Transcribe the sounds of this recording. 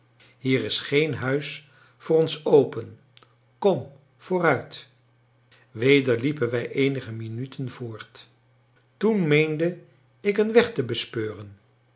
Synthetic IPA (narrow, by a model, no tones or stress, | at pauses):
ɦiːrɪsχejnɦœɥs | fʊːrɔnsowpən | kɔm | v̥ʊːrœɥt | ʋejdəɹlipənʋɛjʔejnəχəminytʰənv̥ʊːɹt | tunmejndə | ɪkənʋɛχtəbəspøːrən